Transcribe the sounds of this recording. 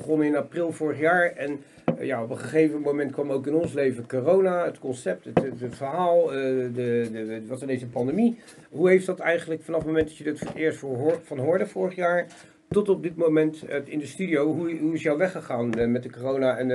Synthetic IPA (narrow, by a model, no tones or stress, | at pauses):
χɔnɪnaprɪlˠvʊːɹəχjaːɹɛn | jaɔpəχəχejvəmowmɛntkʋɑmowkɪnɔnslejvəkorownaətkɔnsɛp̚təttfəɹɦaːlˠdəəʋɑtəndesəpɑndemi | ɦuɦejfdɑtɛjχənləkfɑnɑfəmomɛndɑt͡ʃjədɑtfʊɹətɪːɹstɦfɑnɦʊːɹdəvʊːɹəχjaːɹ | tɔtɔb̚dɪtmomɛnttɪndəstydiowɦuɦuɪsjawʋɛχəχaːnmɛtdəkorownaɛn